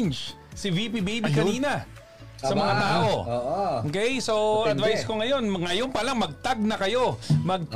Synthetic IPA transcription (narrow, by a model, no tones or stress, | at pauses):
nt͡ʃ | sivipibejbikɐniːnɐ | sɐmɐŋat̪aːʔo̞okɛjso̞ɐd̪vajsko̞ŋɐjo̞nŋɐjo̞npɐlaŋmɐɡ̚t̪aɡ̚nɐkɐjo̞mɐɡ̚t̪